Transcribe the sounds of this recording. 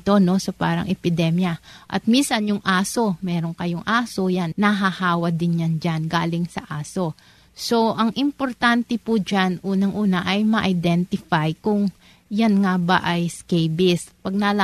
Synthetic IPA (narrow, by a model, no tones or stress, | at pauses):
t̪o̞no̞sɐpa̰ːɾɐ̰ŋʔɛpɪd̪ɛmjɐʔɐ̰t̪̚minsɐnjʊŋʔaːso̞mɛːɾoŋkɐjoŋʔaːso̞janːɐɦahaːwɐd̪ɪnjand͡ʒanɡa̰ːlɪŋsɐ̰ʔaːso̞ | so̞ʔɐŋʔɪmpo̞ɾt̪ant̪ɛpud͡ʒanʔuːnɐŋʔuːnɐʔɐjmɐʔɐjd̪ɛnt̪ɪfajkʊŋ | janŋabɐ̰ʔɐjskejbɪspɐɡ̚nɐla